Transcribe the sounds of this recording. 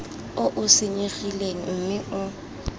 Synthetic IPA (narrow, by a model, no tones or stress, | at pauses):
ʊʔʊsɪɲeχileŋ̩m̩mɪʔʊ